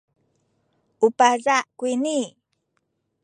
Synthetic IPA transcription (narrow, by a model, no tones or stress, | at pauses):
upazakwini